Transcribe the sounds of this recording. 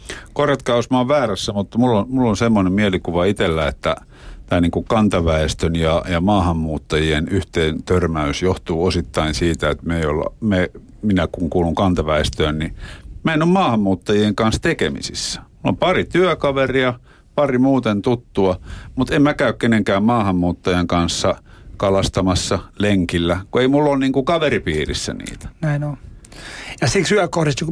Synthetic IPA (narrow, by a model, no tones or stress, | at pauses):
koret̪kɑusmɑoʋʋæːræsːæmut̪ːmulːonmulːonsemːonemmielikuʋɑit̪elːæet̪ːæ | t̪æːniːŋkukkɑnt̪ɑʋæest̪ønjɑjɑmɑːhɑmːuːt̪ːɑjienyht̪eːnt̪ørmæysjoht̪uːosit̪ːɑinsiːt̪æet̪meio̰l̰me | minækuŋkuːluŋkɑnt̪ɑʋæest̪øːnnimæenommɑːhɑmːuːt̪ːɑjieŋkɑnst̪ekḛmḭsḭsːæ̥mulːo̰mpɑrit̪yækɑʋeriɑ | pɑrimuːt̪ent̪ut̪ːuɑmut̪emmækæykkeneŋkæːmmɑːhɑmːuːt̪ːɑjeŋkɑnsːɑkɑlɑst̪ɑmɑsːɑleŋkilːækueimulːonniːŋkukɑʋeripiːrḭsːæ̰nḭːt̪æ̥næino | jɑsiksyækohɾist̪uk